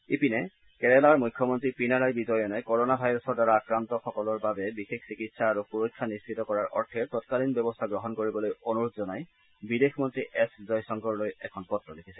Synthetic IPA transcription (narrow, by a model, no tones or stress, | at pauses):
epinɛ | kɛɹɛlaɹmujkʰːjɔmɔntɹipinaɹajbizɔjɔnajkɔɹɔnabʱajɹɔsɔɹdaɹaːkɹantɔxɔkɔlɔɹbabɛbixekʰsikitsaːɹupuɹojkʰːanist͡ʃʰitɔkɔɹaɹʔɔ̰ɹtʰɛɹtɔtkalinbjɔbɔst̪ʰaɡɹɔɦɔnkoɹibɔlojonuɹud̪zɔnaj | bidexʰmɔntɹiʔɛszɔjsɔŋɡɔɹlojɛkʰɔnpɔtɹɔdekʰisɛ